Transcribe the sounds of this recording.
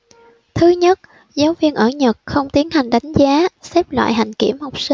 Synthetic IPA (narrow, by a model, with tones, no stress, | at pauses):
t̪ʰɨ˨˦ɲə˦˥t̚ | zaː˨˦wvi˧ənʔəː˧˩ɲə˨˩t̚xə˧wŋ͡mt̪i˨˦ənha˨˩jŋ̟ɗa˨˦jŋ̟zaː˨˦sɛ˦˥p̚lwa̰ː˧˨jɦa̰˧˩jŋ̟kḭ˧˩əmho˨˩wk͡p̚si˧